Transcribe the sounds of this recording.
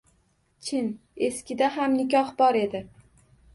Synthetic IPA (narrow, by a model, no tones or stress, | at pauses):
t͡ʃʰɪn | e̞skʲɪd̪aɦamnɪkʲɒhbɒɾe̞d̪ɪ